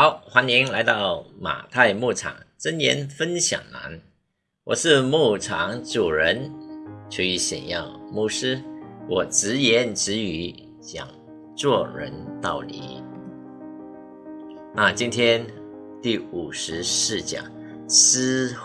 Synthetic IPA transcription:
xɑ˧˥ʊxwa˧˥ni˧˥ŋla˧˥ɪt̪ɑ˥˩ʊma̰˨˩t̪ʰa˥˧ɪmu˥˩ʈ͡ʂʰɑ̰˨˩˦ŋʈ͡ʂə˥njɛ̰˧˥nfə˥nɕjɑ̰˨˩ŋna̰˧˥n | wɔ̰˨˩ʂɻ̩˥˧mu˥˩ʈ͡ʂʰɑ˧˥ŋʈ͡ʂu˨˩ɻə˧˥nt͡ɕʰu˧˥y˧˩ɕjɑ̰˨˩ŋjɑ˥˩ʊmu˥˩ʂɻ̩˥wɔ˨˩ʈ͡ʂɻ̩˧˥jɛ˧˥nʈ͡ʂɻ̩˧˥y˧˥ | t͡ɕjɑ̰˨˩ŋ | t͡swɔ˥˩ɻə˧˦nt̪ɑ˥˩ʊlḭ˧˥ | na˥˨t͡ɕi˥nt̪ʰjɛ˥n | t̪i˥˩u˨˩ʂɻ̩˧˥ʂɻ̩˥˩t͡ɕjɑ̰˨˩˦ŋ | s̩˥

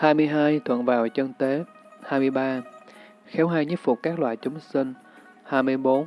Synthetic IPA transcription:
haː˧jmɨ˧əjɦaː˧jt̪ʰwə̰˧˨nvaː˨˩wt͡ɕə˧nt̪e˨˦haː˧jmɨ˧əjɓaː˧ | xɛ˨˦wɦaː˧˩jɲɨ˦˥p̚fʊ˨˩k͡p̚kaː˦˥k̚lwa̰ː˧˨jt͡ɕʊ˨˦ŋ͡msï˧ŋ̟ | haː˧jmɨ˧əjɓo˨˦n

